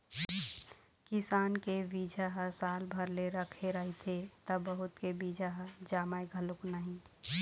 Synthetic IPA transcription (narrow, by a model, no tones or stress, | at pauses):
kɪsaːnkebiːd͡ʒʱaɦəsaːlbʱəɾleɾəkʰeɾəɦit̪ʰet̪əbəɦʊt̪kebid͡ʒʱaɦəd͡ʒaːmaeɡʱəlʊknaɦĩ